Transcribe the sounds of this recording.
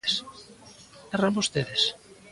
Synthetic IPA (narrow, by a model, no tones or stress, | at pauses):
s | erambost̪eðes